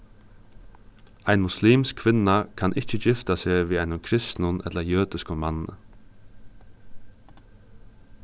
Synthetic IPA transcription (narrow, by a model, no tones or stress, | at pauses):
aɪnmʊsliːmskʰʋɪnːakʰanʔɪht͡ʃəd͡ʒɪft̪aseːʋiːajnʊnkʰɾɪst̪nʊnɛ̰t̪lɐɾjœːt̪ɪskʊnmanːnə̰